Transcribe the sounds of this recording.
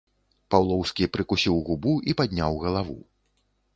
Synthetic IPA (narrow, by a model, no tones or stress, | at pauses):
pawlˠɔwskʲipɾɨkusʲiwɣubuʔipad̪ʲnʲawɣɐlˠavṵ